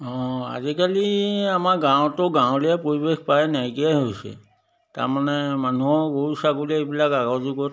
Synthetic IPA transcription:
ɔ̃a̰zikaliamaɡãw̃tʊɡãw̃lijapɹoɹibexpajnajɡijajɦojsɛ̰ | ta̰ɹmanɛmanuɦɔɡoɹusaɡuliaebilakaɡazuɡɔt

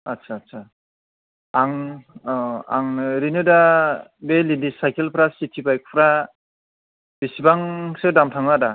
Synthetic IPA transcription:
atsʰatsʰa | aŋ | a̰ŋɾinɯdabelindisajkʰelpʰɾasitʰibajk̚pʰɾa | bisibaŋsɯdamtʰaŋnada

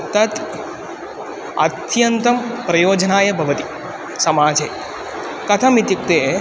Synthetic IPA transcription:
t̪ɐt̪ | ɐt̪jɐnt̪ɐmpɾɐjoːd͡ʒɐnaːjɐbʱɐʋɐt̪i̥ | sɐmaːd͡ʒeː | kɐt̪ʰɐmit̪jik̚t̪eː

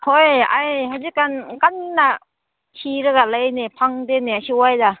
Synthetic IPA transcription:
hɔja̰jɦad͡ʒikankanna | ɕiɾɯɡalajnepʰaŋd̪eneaɕiwajda

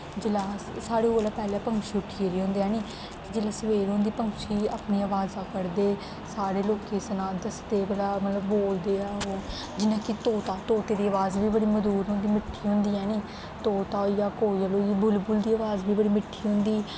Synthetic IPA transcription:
d͡ʒɪlaːssaːɽeːoːlaːpɛːleːpəŋʃiːʊʈʰːiːeɾiːɦõːnd̪eːɦɛːniː | k̪ɪd͡ʒɪlaːsəʋeːɾɦõːnd̪iːpəŋɡʃiːa̰ːpniːaːʋaːzaːkəɾd̪eː | saːɽeːloːkeːsənaːd̪əst̪eːbəlaːmət̪ləbːoːld̪eːɛːɦoː | d͡ʒɪnãːkɪt̪oːt̪aːt̪oːt̪eːd̪iːəʋaːzbiːbəɽiːməd̪uːɾɦõnd̪iːmɪʈʰːiːɦõnd̪iːɛːniː | t̪oːt̪aːjaːkoːijaloːiːbʊlbʊld̪iːəːʋaːzbiːbəɽiːmɪʈʰːiːɦõnd̪iː

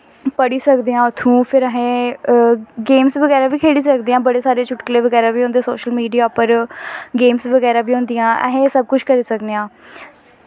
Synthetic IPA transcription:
pəɽiːsəkd̪eːãːʊt̪ʰːũːpʰɪɾəɦẽː | ɡeːmsʋəɡɛːɾaːbiːkʰeːɽiːsəkd̪iːãːbəɽeːsaːɾeːt͡ʃʰʊʈkəleːʋəɡɛːɾaːʋiːõːnd̪eso̰ːʃəlmiːɖijaːpəɾɡeːmsʋəɡɛːɾaːʋʱiːɦõːnd̪ijãːɛ̰ɦẽːsəb̚kʊt͡ʃʰkəɾiːsəkd̪eːãː

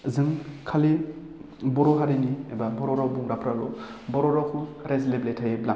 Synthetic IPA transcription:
zɯŋkʰali | bɔɾɔɦaɾiniebabɔɾɔɾɔbuŋɾapʰɾalɔ̰bɔɾɔɾɔkʰuɾezlebletʰajebla

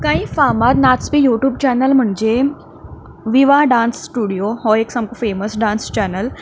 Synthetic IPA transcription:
kãĩːfamat̪nasbijuʈjuːbt͡ɕɛnəlm̤əɳd͡ʑe | ʋiʋaɖãnsːʈuɽijoɦɔeksamkofeməsɖãnst͡ɕɛnəl

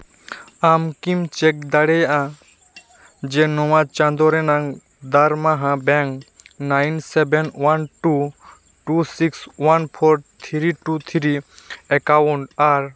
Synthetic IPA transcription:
amkimt͡ʃek̚d̪aɽɛjã | d͡ʒenɔwat͡ʃãnd̪ɔɾenaŋ | d̪aɾmaɦãbɛŋnajnsɛbenwanʈu | ʈusikswanpʰɔɾt̪ʰiɾiʈut̪ʰiɾiɛkawuɳʈaɾ

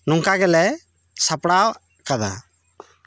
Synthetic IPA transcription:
nuŋkaɡɛlɛ | sapɽaw | kad̪a̰

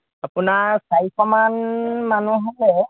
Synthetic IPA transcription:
apʊnasajkʰɔmanmanuɦalɛ

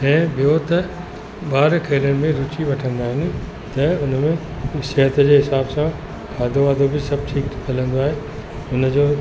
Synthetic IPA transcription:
ɛ̃ːbijot̪ɐ | baːɾkʰeːɾəɽ̃ɪ̆mẽɾʊt͡ɕiʋɐʈʰə̃nd̪aːɦɪnɪ̆ | t̪ɐʊnmẽʃɐɦət̪d͡ʑeːɦɪsaːbsã | kʰaːd̪oʋaːd̪ʱobɪsɐb̚ʈʰiːk̪kʰɐlə̃nd̪oaːɦeː | ʊnəd͡ʑoː

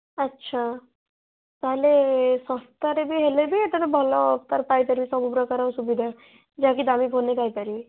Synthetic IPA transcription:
ətːʃʰa | t̪aɦlesɔ̃st̪aɾebʱiɦelebʱit̪ənbʱɔlɔpt̪aɾpajt̪əɾbisɔbupɾɔkaɾawsubid̪ʱa | d͡ʒakid̪amipʰonekajt̪aɾi

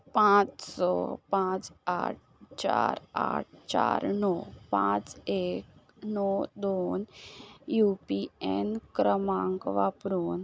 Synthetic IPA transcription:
pãt͡ssɔpãt͡sa̰ʈ̚ʰt͡ɕaɾa̰ʈ̚ʰt͡ɕa̰ɾnɔpãt͡sek | nɔd̪onjupiɛnkɾəmãŋkʋapɾuːn

